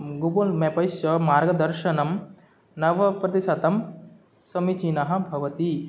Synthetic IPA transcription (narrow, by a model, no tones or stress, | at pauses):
ɡubulmepɐjʃɐmaːɾɡɐd̪ɐɾʃɐnɐm | nɐʋɐpɾɐt̪eʃat̪ɐm | sɐmit͡ʃinɐɦɐ̆bʱɐʋɐt̪i